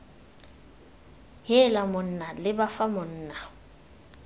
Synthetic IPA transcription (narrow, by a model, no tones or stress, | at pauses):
ɦɛlamʊn̩ːnalɪbafamʊn̩ːna